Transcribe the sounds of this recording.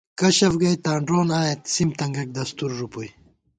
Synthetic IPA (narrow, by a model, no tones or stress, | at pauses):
kɐɕɐfɡɐjt̪aːɳɖɾoːnaːjet̪simt̪ɐŋɡɐk̚d̪ɐst̪uɾːupuj